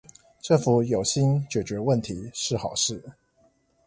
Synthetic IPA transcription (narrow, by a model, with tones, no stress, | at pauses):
ʈ͡ʂə˥˩ŋfu˨˥jo˨˩ʊɕi˦nt͡ɕɥɛ˨˩t͡ɕɥɛ˨˧˥wə˥˨˩nt̪ʰi˨˥˦ʂɻ̩˥˩xɑ˨˩ʊʂɻ̩˥˩